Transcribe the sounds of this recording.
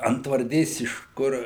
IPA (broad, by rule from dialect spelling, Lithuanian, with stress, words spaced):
ɐntʋɐrʲˈdʲeːs ɪʃ ˈkʊr